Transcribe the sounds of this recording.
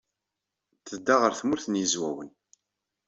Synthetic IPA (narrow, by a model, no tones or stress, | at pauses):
θəd̪ːaʁəɾθmʊɾθnjəzwæwən